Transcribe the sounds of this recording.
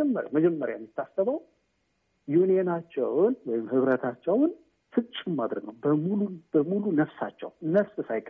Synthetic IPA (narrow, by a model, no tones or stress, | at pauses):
ɛmːəɾa̰məd͡ʒɛmːəɾjajɛmːjɪt̪ʰːasəβəw | junijenat͡ʃːɛ̰wnwɔjɪmhɨβɾət̪ʰat͡ʃːɛwn | fɨt͡ʃʼːɪmːad̪ɾəɡnəwbəmulubəmulunəfsa̰t͡ʃːɛ̰wnəfsʼsajkʼ